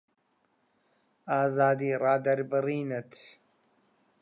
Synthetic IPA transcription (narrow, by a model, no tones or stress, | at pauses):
aːzaːd̪iːɾɑːd̪ɐɾbɨɾiːnət̪ʰ